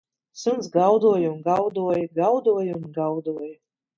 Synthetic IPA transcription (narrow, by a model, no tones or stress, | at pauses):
sɨnt̪sɡawd̪uɔjunɡawd̪uɔjɡawd̪uɔjunɡawd̪uɔj